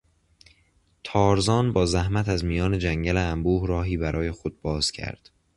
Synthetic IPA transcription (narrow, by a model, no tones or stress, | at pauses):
t̪ʰɒːɾzɒːnbɒːzæhmæt̪æzmijɒːne̞d͡ʒæŋɟæleæmbuːhɾɒːɦiːbæɾʔɒːje̞xod̪̥̚bɒːz̥cʰæ̰ɾd̪̥